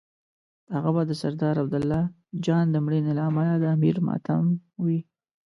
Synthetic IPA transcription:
haɣabɑd̪əsaɾd̪ɑɾabd̪ʊlːɑ | d͡ʒɑnd̪əmɽinelaamalad̪əamiɾmɑ̰t̪amwi

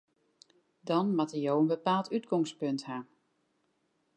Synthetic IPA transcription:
dɔnmatəjoənbəpaːlˠtytɡɔŋspøntɦa

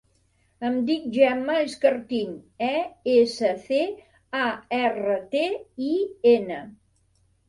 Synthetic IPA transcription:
əmd̪ik̚ʒɛməeskəɾt̪inɛesəθe | aɛrət̪eienə

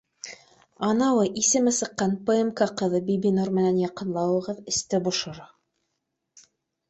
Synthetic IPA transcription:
ɑnɑwɤʔisɘ̆mɘsɤ̆qːɑnpɘ̆emkɑqɤ̆ðɤbibinoɾmɘ̆nænjɑqɤ̆nlˠɑwɤ̆ʁɤðɘ̆st̪ɘbŏʃŏɾɑ

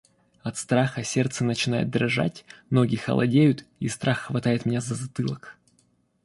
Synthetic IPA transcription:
ɐt̪st̪ɾaxəsʲert̪sənət͡ɕɪnajʊ̰t̪̚d̪ɾɐʐa̰tʲnoɡʲɪxə̰lˠɐ̰dʲejʊt̪ist̪ɾʔaxːvɐt̪ajɪt̪mʲɪnʲazəzɐt̪ɨlˠək

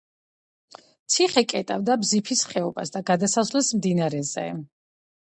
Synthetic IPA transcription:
t̪sʰiχɛkʼɛt̪ʼavd̪abzipʰisχɛɔbasd̪aɡad̪asasvlɛsmd̪inaɾɛzɛ̰

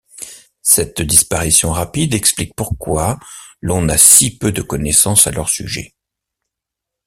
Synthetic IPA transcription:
sɛt̪d̪ispaʁisjɔ̃ʁapid̪ɛksplik̚puʁkwalɔ̃nasipød̪əkɔnɛsɑ̃sa̰lœʁsy̰ʒɛ̰

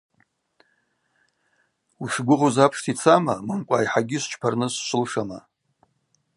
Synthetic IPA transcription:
uʂɡʷʊʁuzapʰʂtʰit͡sʰamamɨmkʷʼajħaɡʲɪʃʷt͡ʃʰpʰarnɨsʃʷɨlʂama

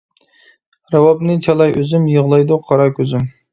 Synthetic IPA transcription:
ɾɑwɑbnɨt͡ʃʰɑlˠɑjʔøzymjəʁlˠɑjd̪uqʰɑɾɑkʲʰøzɪm

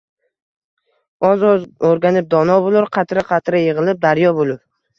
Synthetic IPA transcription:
ɒzoɾɡʲanɪp̚d̪ɒnɒbolˠɪɾqʰɑt̪ʰɾaqʰɑt̪ɾajɪʁɨlˠɪp̚d̪aɾjɒbolˠɪp

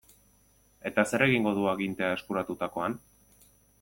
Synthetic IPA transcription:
e̞t̪ase̞ɾe̞ɣiŋɡo̞ðuaɣint̪e̞ae̞skuɾat̪ut̪ako̞an

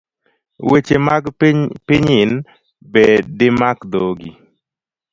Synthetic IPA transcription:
wet͡ʃemaɡpɪɲɪn | bedɪmakd̪oɡi

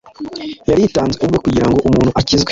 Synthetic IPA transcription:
jaɾiːtaːnzeubɡokuɟiɾaŋɡo̞ʔumuːn̥huʔacizɡwe

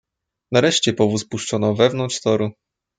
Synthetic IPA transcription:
naɾɛʂt͡ɕɛpɔvuspuʂt͡ʂɔnɔvɛvn̪ɔnt̪ʂt̪ɔɾu

